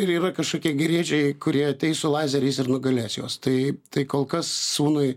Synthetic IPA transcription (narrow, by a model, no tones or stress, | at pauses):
ɪɾiːɾɐkɐʃkoːkʲiɛɡʲɪɾʲiɛt͡ʃʲɛɪkʊɾʲiɛɐt̪ʲɛɪsʊlˠɑːzʲɛɾʲɛɪsɪrnʊɡɐlʲæːsjoɔst̪ɐɪt̪ɐɪkoːlˠkɐssuːnʊɪ